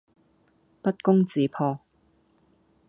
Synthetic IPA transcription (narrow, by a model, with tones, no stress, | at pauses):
pɐ˥t̚kʊ˥ŋt͡siː˨˥pʰɔː˧